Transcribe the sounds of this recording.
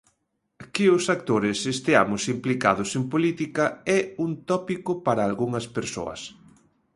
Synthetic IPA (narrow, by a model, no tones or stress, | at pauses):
kɪʊsak̚t̪oɾɪsest̪ɪa̰mʊsimplika̰ðʊsempolit̪ikɐɛunt̪ɔpikʊpaɾaːlɣuŋɐspeɾso̰ɐ̰s